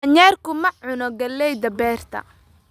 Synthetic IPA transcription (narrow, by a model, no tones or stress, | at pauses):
ɲɛːrkʰʊmɐʕʊnɔɡɐlːɛjd̪ɐbɛːr̥t̪ʰɐ̰